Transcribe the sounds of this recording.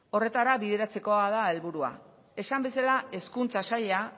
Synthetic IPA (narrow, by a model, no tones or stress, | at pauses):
o̞re̞t̪aɾaβiðe̞ɾat͡se̞ko̞að̞ae̞lβuɾua̰ | e̞sambe̞salae̞skunt͡sasaʎa